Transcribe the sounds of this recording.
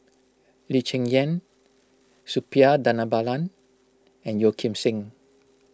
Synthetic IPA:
lit͡ʃɛ̃ŋjɛ̃n | supiadanabalãn | ɛ̃njokʰĩmsĩŋ

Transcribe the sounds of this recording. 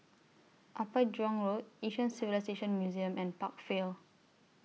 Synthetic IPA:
ʔapəd͡ʒɔ̃ŋɹoteʃə̃nsivilajseʃə̃nmjuziə̃mɛ̃npak̚fel

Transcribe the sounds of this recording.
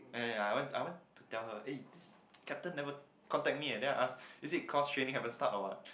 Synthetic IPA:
ɛajwɛ̃ntajwɛ̃ntːutɛlhəʔediskʰɛp̚tə̃nːɛvə | kʰɔ̃ntɛk̚miɛ̃ndɛaʔasisikʰɔstɹẽnĩŋhɛvə̃nstatɔwãt̚

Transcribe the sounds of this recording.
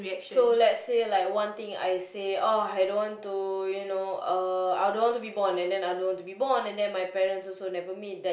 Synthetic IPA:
ɹiɛkʃsolɛtsːelajkwãnt̪ĩŋa̰jseɔajdõnwɔ̃ntujunoʌa̰jdõnwɔ̃ntubibɔ̃nɛ̃ndɛ̃najdõnwɔ̃ntubibɔ̃nɛ̃ndɛ̃nmajpɛɹə̃nsɔsonɛvəmit̚dɛ

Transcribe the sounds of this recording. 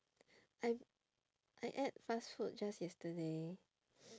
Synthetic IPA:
aj | ʔaɪʔɛt̚fasfut̚d͡ʒasjɛstəde

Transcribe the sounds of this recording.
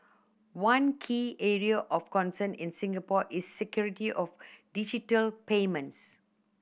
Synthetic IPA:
wãnkʰiːɛɹiaʔɔfkɔ̃nsənĩnsĩŋɡəpɔʔisːɛkjuɹitiʔɔfdid͡ʒitəlpeːmə̃ns

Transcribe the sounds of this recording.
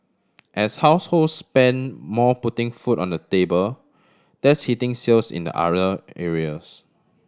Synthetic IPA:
ʔɛshaʊsholdspɛ̃nmɔputɪ̃ŋfutɔ̃ndətebəl | d̥ɛshitɪ̃ŋsilsḭ̃ndə̰ʔa̰ɹəɛɹiəs

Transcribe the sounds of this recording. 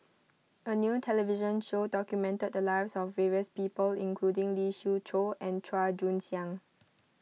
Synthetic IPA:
ʔənjuːtʰɛliviʒə̃nʃodɔkjumɛ̃ntəd̚dəlaɪsɔfːɛɹiəspiːpəlḭ̃ŋkʰludɪ̃ŋliʃutʰoɛ̃ntʰɹad͡ʒũnsjãŋ

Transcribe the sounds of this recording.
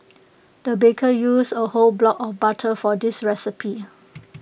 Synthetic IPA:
d̥əbekʰəjusəholblɔkɔfbatʰəfɔdisɹɛsipʰi

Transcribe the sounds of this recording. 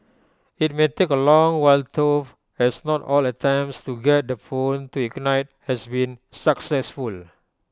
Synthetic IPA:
it̚metekəlɔ̃ŋwaltʰof | ɛsnɔtɔlətʰɛ̃mpstuɡɛt̚dəfõntuɛknaɪt̚hɛsbĩnsaksɛsful

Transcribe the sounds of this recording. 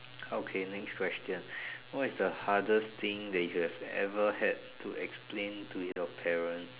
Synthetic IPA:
okʰenɛkskʰwɛstjə̃nwɔtɪsdəhadəst̪ɪ̃ŋdɛtjuhɛvɛ̰vəhɛd̚tʰuɛksplẽntʰuɔpʰɛɹə̃ns

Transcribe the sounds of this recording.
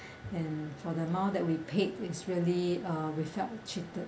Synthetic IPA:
ɛ̃nfɔdənãʊdɛt̚wipʰetɪsɹiəliaɹifɛtt͡ʃitət̚

